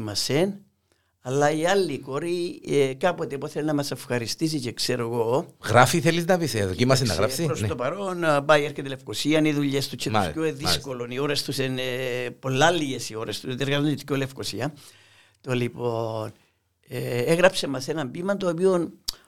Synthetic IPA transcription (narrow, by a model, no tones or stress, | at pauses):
mɐsen | ɐlːɐiɐlːiko̞ɾikɐpot̪epoθelnɐmɐse̞fxɐɾist̪is̬icekse̞ɾoɣo̞ɣɾafiθeliznɐviseðocimɐsenɐ̰ɣɾɐsiɾost̪opɐɾo̞npɐieɾçet̪elefkosiɐniðuʎːest̪ut͡ʃʰːescoeðisko̞lo̞nio̞ɾe̞st̪usenepo̞lːɐlːiʝesio̞ɾest̪ust̪ieɾɣɐzod̪colefko̞siɐ | t̪olipo̞n | eeɣɾɐpse̞mɐse̞nɐmbimɐt̪oːpion